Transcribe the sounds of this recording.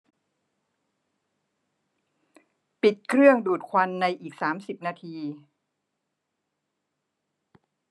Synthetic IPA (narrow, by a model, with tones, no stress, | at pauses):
pi˨˩t̪̚kʰɾɯ˥˩əŋduː˨˩t̪̚kʰwa˧nːa˧jʔiː˨˩k̚saː˩˦msi˨˩p̚naː˧t̪ʰiː˧